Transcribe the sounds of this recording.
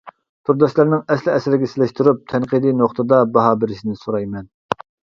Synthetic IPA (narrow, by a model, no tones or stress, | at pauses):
t̪ʰuɾd̪ɑʃlˠæɾnɪŋɛslɪɛsɪɾɪɡʲɛsɪlɪʃt̪uɾup̚t̪ʰɛnqid̪inoχt̪ʰɨd̪ɑbɑɦɑːbɪɾɪʃinɪsoɾɑjmɛn